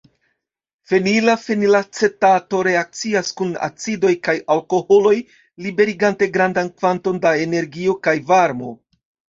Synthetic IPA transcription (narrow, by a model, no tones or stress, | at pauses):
fe̞nilafenilat͡se̞tato̞ɾe̞ak̚t͡siaskuna̰t͡sido̞jkajalko̞ho̞lo̞j | libe̞ɾiɡante̞ɡɾandankvanto̞ndae̞ne̞ɾɡio̞kajvaɾmo̞